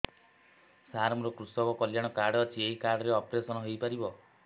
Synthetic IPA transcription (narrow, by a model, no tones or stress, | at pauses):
saɾmɔɾɔkɾusɔkɔkɔljaɽ̃ɔkaɾɖɔːt͡ʃʰieɦikaɾɽɔɾeɔpɾesɔnɔɦejpaɾibɔ